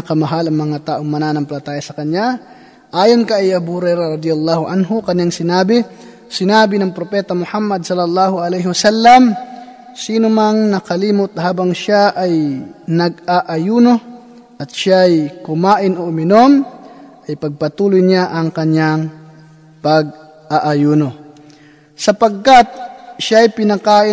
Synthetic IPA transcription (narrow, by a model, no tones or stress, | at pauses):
ɐkɐmɐɦalɐŋmɐŋat̪aːʔoŋmɐnaːnɐmplɐt̪aːjɐsɐkɐɲja | ʔaːjonkɐʔiʔabuhhʊɾɛjɾaɾɐd̪ɪjalˠːaːhʊʔanɦʊkɐɲaŋsɪnaːbɪ | sɪnaːbɪnɐŋpɾopɛːt̪ɐmʊhamːɐd̪̚sɐlːɐlːaːhʊʔɐlɛjɦɪwɐsalːɐm | siːnʊmaŋnɐkɐliːmʊt̪̚haːbɐŋʃaʔɐjnɐɡ̚aʔɐjuːno̞ | ʔɐt̪̚ʃaʔɐjkʊmaːʔɪnoʔʊmɪno̞mʔɐjpɐɡ̚pɐt̪uːlʊjɲaʔɐŋkɐɲaŋ | pɐɡ̚ | ʔaʔɐjuːno | sɐpɐɡ̚kat̪̚ʃaʔɐjpɪnɐkaːʔɪ